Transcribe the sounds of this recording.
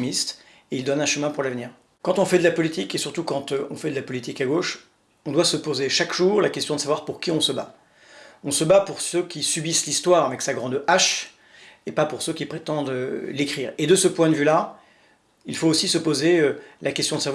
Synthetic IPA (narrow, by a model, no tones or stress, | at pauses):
mist̪ | eild̪ɔnɛ̃ʃəmɛ̃puʁlavniːʁ | kɑ̃t̪ɔ̃fɛd̪əlapɔlit̪ikesyʁt̪ukɑ̃t̪øɔ̰̃fɛd̪əlapɔlit̪ikaɡoʃ | ɔ̃d̪wasəpozeʃakʒ̥uːʁlakʲɛst̪jɔ̃d̪əsavwaʁpuʁkʲiɔ̃səba | ɔ̃səbapuʁsøkʲisybislist̪waʁavɛksaɡʁɑ̃d̪aʃ | epapuʁsøkʲipχet̪ɑ̃d̪ølekχiʁed̪əsəpwɛ̃d̪əvyla | ilfoːsisəpozeølʔakʲɛst̪jɔ̃d̪əsavw